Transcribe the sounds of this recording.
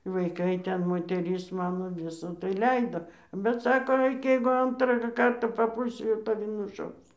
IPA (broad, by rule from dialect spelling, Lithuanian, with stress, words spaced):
ʋɐɪˈkɐɪ ˈtʲɛn moːtʲɛˈrʲɪs ˈmɑːnoː ˈʋʲɪsɐ tɐɪ ˈlʲɛɪdoː bʲɛt ˈsɑːkoː ˈɐɪk jɛɪɡʊ ˈɐntrɑː ˈkɐrtɑː pɐˈpuːlʲsʲɪ jɛʊ tɐˈʋʲɪ nʊˈʃɐʊs